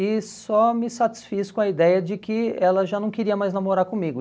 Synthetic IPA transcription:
ɪsɔmɪsat͡ʃi̥sfiskõɐid̪ɛjɐd͡ʒɪkɪɛlɐʒanɐ̃w̃keɾiɐmajznamoɾaɾkõmiɡʊ

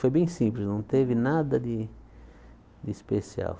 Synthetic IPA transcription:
fojbẽj̃sĩmplɪsnɐ̃w̃t̪evɪnad̪ɐd̪ɪ | d̪ɪispesia̰w

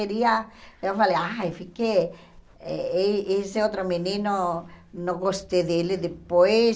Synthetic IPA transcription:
eɾiɐewfaleafike | ɛeeseot̪ɾominĩnonõɡost̪eðelɪd̪ɪpoj

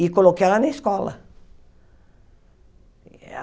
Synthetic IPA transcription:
ikolokalɐnɐiskɔlɐ̰

